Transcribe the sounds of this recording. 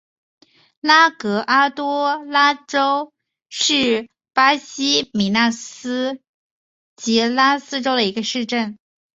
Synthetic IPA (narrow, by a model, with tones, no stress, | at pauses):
la˥kɤ˧˥ʔa˥t̪wɔ˥la˥ʈ͡ʂo˥ʊ | ʂɻ̩˥˩ | pa˥ɕi˥mi˧˥na˥˩s̩˥ | t͡ɕi˧˥la˥sɹ̩˥ʈ͡ʂo˥ʊd̪ə˨i˧˥ɡə˧ʂɻ̩˥˧ʈ͡ʂə˥˩n